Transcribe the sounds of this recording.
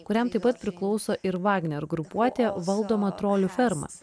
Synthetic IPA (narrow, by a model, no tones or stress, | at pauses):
kʊɾʲɛmt̪ɐɪpːɐt̪̚pʲɾʲɪklˠɒʊsoːʔɪɾʋɑːɡnʲɛɾɡɾʊpuɔt̪ʲeːʋɐlˠd̪oːmɐt̪ɾoːlʲufʲɛɾmɐ̰